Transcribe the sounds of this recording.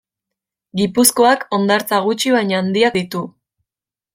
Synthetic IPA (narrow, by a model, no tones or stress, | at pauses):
ɡipusko̞ako̞nd̪aɾt͡saɣ̞ut͡ʃiβaɲaːnd̪iakd̪it̪u